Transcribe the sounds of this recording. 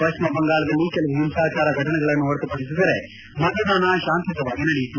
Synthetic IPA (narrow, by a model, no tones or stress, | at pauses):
pɐt͡ʃmɐbɐŋɡaːɭɐd̪ɐlːikɛlɐʋuɦimsaːt͡ʃaːɾɐɡʱɐʈɐnɛɡɐɭɐnːuɐɾt̪upɐɽis̬id̪ɐɾe | mɐd̪ɐd̪aːnaʃaːnt̪ʰɐt̪ɐʋaːɡinɐɽijit̪ːu